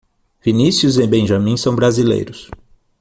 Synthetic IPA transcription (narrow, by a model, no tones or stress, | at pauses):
vinisjuzẽbẽʒɐ̃mĩsɐ̃w̃bɾazilḛjɾʊs